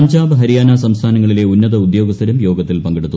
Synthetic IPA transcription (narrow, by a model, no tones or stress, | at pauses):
ɐɲd͡ʑaːbɐɦɐɾijaːnaːsɐmst̪ʰaːnɐŋːɐɭile̞unːɐðɐud̪jo̞ːɡɐst̪ʰɐɾumjo̞ːɡɐt̪ːilpɐŋɡeɽut̪ːu